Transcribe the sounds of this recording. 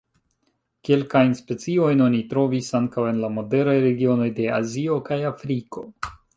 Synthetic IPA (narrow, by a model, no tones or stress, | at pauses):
ke̞lkajnspe̞t͡sio̞jno̞nitɾo̞visaŋkawe̞nlamo̞de̞ɾajɾe̞ɡio̞no̞jde̞azio̞kajafɾiko̞